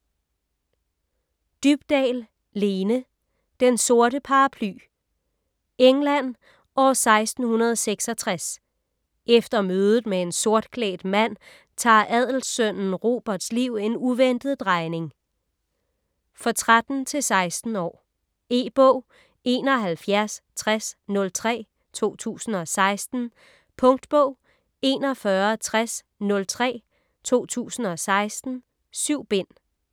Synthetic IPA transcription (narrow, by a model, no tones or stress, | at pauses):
d̥yb̥d̥ɛ̰ːl | le̝ːnə | d̥enso̝ɐɾəpʰɑ̈ɑpʰly̰ː | eŋlæn̰ | ʔɒ̽sɑ̈ɪsd̥n̩hunɐð̞ˠseɡ̥sɒt͡sʰʁas | ʔefd̥ɐmøːð̞ˠð̩ˠmee̝nso̝ɐ̰d̥kʰlɛ̰ːd̥mæn̰ | t͡sʰɑ̰̈ːʔæð̞̰ˠl̩sœn̰n̩ʁo̝ːb̥ɐd̥sliʊ̰e̝nuʋen̰d̥ð̞̩ˠd̥ʁɑ̈ɪne̝ŋ | fɒt͡sʰʁad̥n̩t͡sʰe̝lsɑ̈ɪsd̥n̩ɒ̰ː | e̝̰ːb̥ɔʊ̰ | e̝ːnɒ̽ɦælfjæɐst͡sʰʁasnɔ̽lt͡sʰʁɛ̰ː | t͡sʰo̝̰ːt͡sʰṵːsn̩ɒ̽sɑ̈ɪsd̥n̩ | pʰɔ̽ŋd̥b̥ɔ̽ʊ̰ | e̝ːnɒ̽fɶːɐt͡sʰʁas | nɔ̽lt͡sʰʁɛ̰ː | t͡sʰo̝̰ːt͡sʰṵːsn̩ɒ̽sɑ̈ɪsd̥n̩ | syʊ̰b̥e̝n̰